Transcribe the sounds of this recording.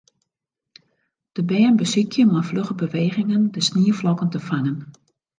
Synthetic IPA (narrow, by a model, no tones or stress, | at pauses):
d̥əbɛːənbəsikjənafløχəbəʋeːɣɪŋəndəsniːəflɔkəntəfaŋən